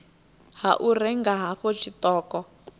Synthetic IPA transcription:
haʔurɛŋɡaɦaɸɔt͡ʃʰit̪ɔːkɔ

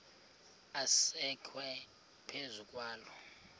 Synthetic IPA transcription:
asɛkʰwɛ | pʰezukʼwaːlɔ

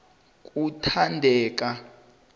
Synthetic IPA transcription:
k̬ʼutʰandʱɛːk̬a

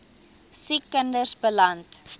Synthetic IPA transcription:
sikəndəsbəlɐnt

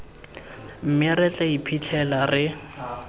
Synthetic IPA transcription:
m̩mɪrɛt͡ɬʼɛipʰit͡ɬʰɛlarɪ

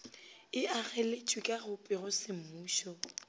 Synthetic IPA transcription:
ɪaɣɛlet͡ʃʼwikʼaɣʊpʼɪrɔsɪm̩muːʃɔ

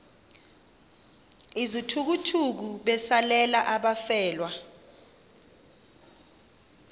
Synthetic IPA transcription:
izitʰuk̬utʰuk̬uɓɛsalɛlaʔaɓafɛːlwa

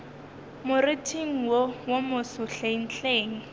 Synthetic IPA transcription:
mʊrɪtʰiŋ̩wowomʊsʊɬeŋ̩ɬeːŋ̩

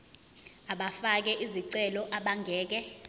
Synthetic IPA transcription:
aɓafak̬ɛʔiziǀɛlɔʔaɓaŋɡʱɛːk̬ɛ

